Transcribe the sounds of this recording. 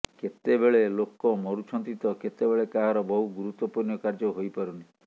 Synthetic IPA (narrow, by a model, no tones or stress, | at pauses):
ket̪ebeɭelokɔmɔɾut͡ʃʰɔnt̪it̪ɔket̪ebeɭekaɦaɾɔbɔɦuɡuɾut̪wɔpunjɔkaɾd͡ʒɔɦojpɔɾuni